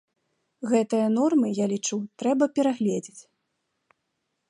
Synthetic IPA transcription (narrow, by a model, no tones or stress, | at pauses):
ɣɛt̪ɨjɐnɔrmɨjalʲit͡ʂut̪ɾɛbɐpʲɛɾaɣlʲed͡zʲit͡sʲ